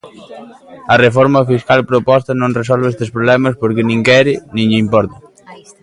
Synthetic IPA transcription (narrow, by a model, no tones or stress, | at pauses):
ɐrefɔɾmɐfiskalpɾopɔst̪ɐnõŋres̬ɔlβest̪espɾoβlɛmɐspoɾkɪnĩŋkɛɾɪnĩŋʎɪimpɔɾt̪ɐ